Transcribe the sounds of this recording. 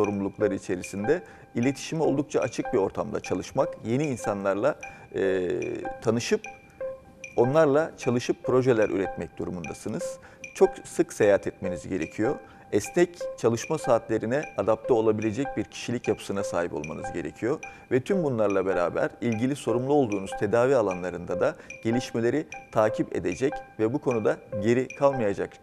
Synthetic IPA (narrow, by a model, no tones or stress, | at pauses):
so̞ɾumlˠulˠuklˠaɾɯit͡ʃʰe̞ɾisind̪ɛ | ilʲe̞t̪ʰi̥ʃimio̞lˠd̪uk̚t͡ʃʰaʔat͡ʃʰɯk̚bio̞ɾt̪ʰamd̪a̰t͡ʃʰalˠɯʃmakje̞niːnsanlˠaɾlˠaː | t̪ʰanɯʃɯp̚ | o̞nlˠaɾlˠat͡ʃʰalˠɯʃɯpːɾo̞ʒɛlʲæɾʔy̰ɾɛt̪mɛc̚d̪̥uɾumund̪asɯnɯz̥ | t͡ʃʰo̞ksɯksejaat̪ʰɛt̪me̞nizɟe̞ɾe̞cʰijo̞ | ɛsnɛct͡ʃʰalˠɯʃmasaːt̪lʲe̞ɾinɛad̪ap̚t̪ʰɛo̞lˠabilʲe̞d͡ʒɛc̚biɾcʰi̥ʃilʲicjapʰɯ̥sɯnasaːɦipo̞lˠma̰nɯzɟe̞ɾecʰijo̞ | vɛt̪ʰymbunlˠaɾlˠabe̞ɾa̰ːbæ̰ɾilʲɟilʲiso̞ɾumlˠuo̞lˠd̪uːnuz̥t̪ʰe̞d̪aːviːalˠanlˠaɾɯnd̪ad̪aɟ̥e̞lʲiʃme̞lʲe̞ɾit̪ʰaːcʰipḛd̪e̞d͡ʒɛcvɛbukʰo̞nud̪aɟe̞ɾikʰalˠmajad͡ʒa̰k